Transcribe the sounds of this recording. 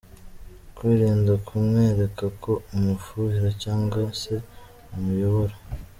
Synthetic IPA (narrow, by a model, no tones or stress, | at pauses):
kwiːɾiːndakʰumŋeːɾe̞kakʰo̞umufuhiɾacaːŋɡwase̞ | umujo̞βoɾa